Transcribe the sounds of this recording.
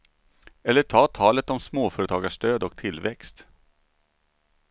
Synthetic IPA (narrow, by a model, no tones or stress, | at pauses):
ɛlːəʈʰɑːt̪ʰɑːlət̪ɔmsmoːfœːɾət̪ʰɑːɡaʂt̪øːd̪ɔk̚t̪ʰɪlːvɛkst̪